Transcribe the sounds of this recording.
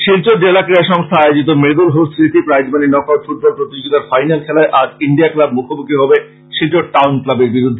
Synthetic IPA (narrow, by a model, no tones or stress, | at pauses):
ʃilt͡ɕod͡ʑelakɾiaʃɔŋst̪ʰaajod͡ʑit̪̬omeɡ̪ulɦosiʈipɾajd͡ʑbaninɔkaɾfuʈ̚bolpɾot̪id͡ʑoid̪aɾfajnalkʰɛlaeʔad͡ʑiɳɖiaklabmukʰobukiɦɔbe | ʃilt͡ɕoʈawnklabeɾbiɾud̪ʱːe